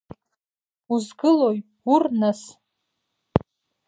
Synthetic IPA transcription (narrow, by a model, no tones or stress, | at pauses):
uzɡɨloj | urnas